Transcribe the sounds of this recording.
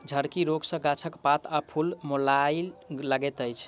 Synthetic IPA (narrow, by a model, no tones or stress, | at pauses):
d͡ʒʱəɾkiɾoɡsə̃ɡat͡ʃʰəkpat̪ʰapʰulmolajləɡɛt̪əjt͡ʃʰ